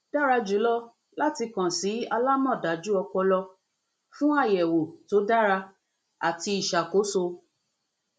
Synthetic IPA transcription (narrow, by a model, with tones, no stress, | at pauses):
d̥a˦ɾa˧d͡ʒu˨˦lɔ˦ | la˦ti˧kã˨si˨˦a˧la˦mɔ̃˦˨da˨˦d͡ʒu˦ɔ˧k͡pɔ˧lɔ˧ | fũ˦a˦˨jɛ˨wo˨to˨˦da˦ɾa˧ | a˨ti˧i˨ʃa˨ko˨˦so˧